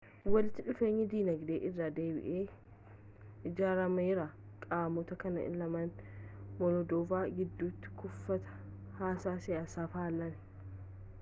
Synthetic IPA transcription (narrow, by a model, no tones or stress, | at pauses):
wɐlɪt̪ːɪᶑʊfe̞ːɲːɪd̪iːnɐɡd̪eːʔɪrːad̪e̞ːbɪ̰ʔeː | ʔɪd͡ʒaːɾɐmɐɪɾa | kʼaːmɔt̪ɐkɐnɐ̰ɪ̰lɐmɐnmɔlɔd̪oːvaːɡɪd̪ːuːt̪ːɪ̥kʊfːɐt̪ɐ̥ | haːsaːsɪjaːsaːfaːlːɐnɛ̥